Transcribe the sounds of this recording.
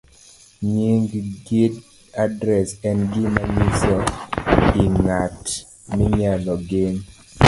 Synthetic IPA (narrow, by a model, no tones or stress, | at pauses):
ɲiŋɡɡid | adɾɛsɛnɡɪmamisɔ | iŋat | miɲalɔɡɪn